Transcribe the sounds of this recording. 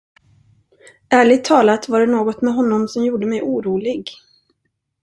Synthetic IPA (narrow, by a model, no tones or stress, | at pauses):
æːɭɪɡ̚t̪ʰːɑːlat̪vaɖɛnoːɡɔt̪mɛɦɔnːɔmsɔmjuːɖəmɛjʔuːɾuːlɪɡ